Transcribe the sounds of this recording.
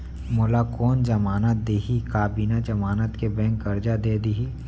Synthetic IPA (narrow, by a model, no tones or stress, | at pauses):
molakɔːnd͡ʒɐmaːnət̪̚d̪eːɦikaːbiːnad͡ʒɐmaːnət̪kebɛ̃ːŋkːəɾd͡ʒad̪eːd̪iɦi